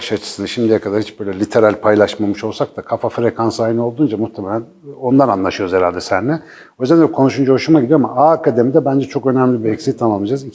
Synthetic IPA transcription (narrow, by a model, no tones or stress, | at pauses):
ʃat͡ʃʰɯ̥sɯnaʃimd̪ijɛkʰad̪aɾhit͡ʃbø̞jlʲɛlʲit̪ʰe̞ɾalʲpʰajlˠaʃmamɯʃo̞lˠsak̚t̪akʰafafɾekʰansaːjinɯo̞lˠd̪uːnd͡ʒamuht̪ʰemelʲæn | o̞nd̪ananlˠaʃɯjoɾzeɾalʲd̪ɛsænːɛ | o̞jzænd̪kʰo̞nuʃund͡ʒaɦoʃumaɟid̪ijoamaaːkʰad̪emid̪ɛbænd͡ʒɛt͡ʃʰo̞kø̞næmlʲibiecsit̪ʰːamamˠmɯd͡ʒazi